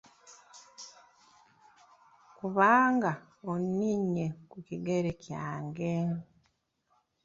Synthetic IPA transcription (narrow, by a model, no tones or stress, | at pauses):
kuβaːŋɡa | onniɲːekuciɡeɾecja̰ːŋɡe